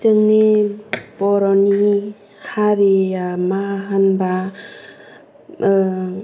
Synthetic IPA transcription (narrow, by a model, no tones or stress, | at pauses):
təŋne | bɔɾɔni | haɾejamaɦanba